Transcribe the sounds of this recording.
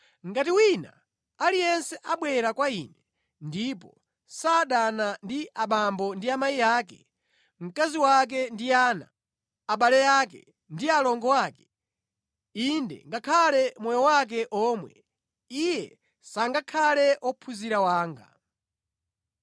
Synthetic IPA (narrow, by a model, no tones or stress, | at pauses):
ŋ̩ɡatiwina̰ | alijɛnsɛʔaɓwɛɾakwainɛ | ndipɔ | saːɗanandiʔaɓambɔndiamaijaːkɛ̰ | m̩kaziwak̬ɛndiaːna̰ː | ɓalɛjaːkɛ̰ | ndialɔŋɡɔwaːkɛ̥ | indɛ̰ŋɡakʰalɛmwɔjɔwak̬ɛʔɔːmwɛ̰ | ijɛ | saŋɡakʰalɛʔɔpʰuziɾawaːŋɡa̰